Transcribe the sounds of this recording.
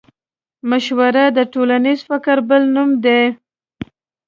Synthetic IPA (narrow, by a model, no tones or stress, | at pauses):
maʃwaɾad̪əʈolanizfɪkəɾbəlnumd̪e